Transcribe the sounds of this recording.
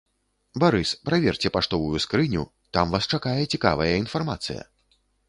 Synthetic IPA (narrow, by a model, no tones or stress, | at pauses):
baɾɨspɾavʲɛrt͡sʲɛpaʂt̪ɔvujuskɾɨnʲu | t̪amvast͡ʂakajɛt͡sʲika̰vɐjɐin̪farmat̪sɨ̰jɐ̰